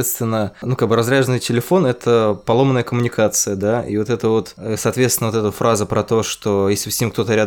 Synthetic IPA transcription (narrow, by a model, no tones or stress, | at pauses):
et̪st̪vʲɪnːənukaɡ̚bɨɾɐzɾʲaʐənɨjtʲɪlʲɪfo̞nɛt̪ʰəpɐlˠo̞mənːəjəkəmʊnʲɪkat̪sɨjəd̪aḭvo̞t̪ɛt̪əvo̞t̪əsɐːt̪vʲet̪st̪ʲɪnvoɛt̪əfɾʔazəpɾɐt̪o̞ʂt̪o̞jesʲlʲɪfsʲemk̚t̪o̞t̪əɾʲad̪